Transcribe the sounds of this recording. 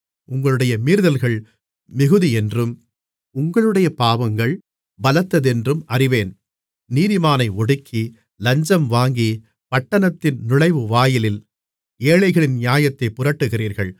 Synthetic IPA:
ʔʊŋɡɐɭɯɽɐjɐmiːɾðɐlɣɐɭ | mɪɣɯðiɛndrɯm | ʊŋɡɐɭɯɽɐjɐpaːʋɐŋɡɐɭ | bɐlɐt̪ːɐðɛndrɯmɐrɪʋeːn | niːðɪmaːnɐɪɔɽɯkʰːi | lɐɲd͡ʒɐmʋaːŋɡi | pɐʈːɐnɐt̪ːɪnnʊɭɐɪʋɯʋaːjɪlɪl | eːɭɐɪɣɐɭɪnnjaːjɐt̪ːɐɪpːʊrɐʈːɯɣɪriːɾɣɐɭ

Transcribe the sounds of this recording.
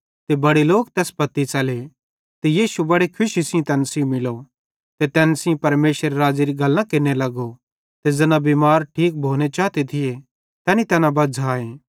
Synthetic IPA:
t̪ebɐɽeloːk̚t̪ɛːspɐt̪ːit͡ʃɐle | t̪ejiːʃubɐɽekʰʊʃisɪ̃t̪ɛːnsĩmːɪlo | t̪et̪ɛːnsɪ̃pɐɾmeːsəɾeɾaːd͡ʒeɾiɡɐlːãkɪnelɐɡo | t̪ed͡zɐnãbimaːɾʈʰiːk̚bʱoːñet͡ʃaːt̪et̪ʰɪje | t̪ɛːnit̪ɛːnãbɐd͡zʱaːẽː

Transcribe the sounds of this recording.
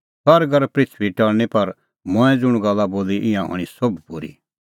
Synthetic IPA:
hɐɾɡɐɾpɾɪt͡ʃʰʋiʈɐɭnepɐɾ | mɔ̃ɛ̃d͡zʊɽ̃ɡɐlːaboːliʔɪ̃jãɦɔ̰ːɽ̃isobpuɾḭː

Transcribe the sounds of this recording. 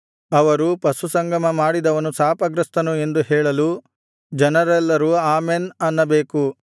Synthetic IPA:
ɐʋɐɾupɐsusɐŋɡʱɐmɐmaːɽid̪ɐʋɐnusaːpɐɡɾɐst̪ɐnue̞nd̪uɦɛːɭɐlu | d͡ʒɛnɐɾɛlːɐɾuaːmeːnɐnːɐbeːku

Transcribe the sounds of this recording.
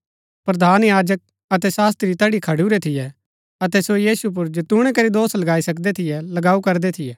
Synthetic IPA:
pɾɐd̪ʱaːnjaːd͡ʒək̚ | ɐt̪̬ɛsaːs̬t̪ːɾit̪ɐɽikʰɐɽuɾɛt̪ʰɪjɛ | ɐt̪̬ɛsojiːsup̬ʊɾd͡ʒot̪ʊɽ̃ɛkɐɾid̪oːslɐɡaːisɐkd̪ɛt̪ʰɪjɛlɐɡaːukɐɾd̪ɛt̪ʰɪjɛː

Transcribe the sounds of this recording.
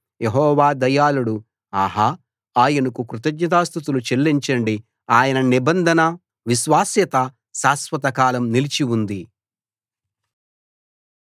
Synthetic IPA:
jeɦɔːʋaːd̪ɐjaːluɽu | aːɦa | aːjɐnukukɾut̪ɐɡɲɐt̪aːst̪ut̪ulut͡ʃe̞lːiɲt͡ʃɐɳɖi | aːjɐnɐnibɐnd̪ʱɐnɐ | ʋiʃʋaːsjɐt̪ɐ | ʃaːsʋɐt̪ɐkaːlɐmnilit͡ʃiwund̪i

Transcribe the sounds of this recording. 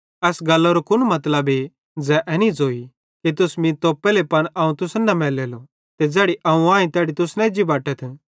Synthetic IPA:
ɛːsɡɐlːoɾokʊnmɐt̪ləbe | d͡zɛʔɛːnid͡zoːi | kit̪̬ʊsmĩt̪oːpelepɐnɐːũt̪ʊsnɐmɛːleːlo | t̪ed͡zɛːɽiʔɐũãːĩt̪ɛːɽit̪ʊsnɛ̃d͡ʒibaːʈɛt̪ʰ

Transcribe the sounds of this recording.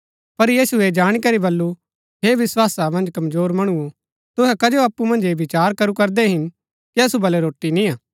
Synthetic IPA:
pɐɾjiːsued͡ʒaːɽ̃ikɐɾibɐlːu | ɦeʋɪswaːsamɐ̃nd͡ʒkɐmzoːɾmɐɽ̃uo | t̪ʊɦɛkɐd͡ʒoaːpːumɐ̃nd͡ʒebɪt͡ʃaːɾkɐɾukɐɾd̪ɛɦɪn | kiɐsubɐlɛɾoːʈːinĩaː

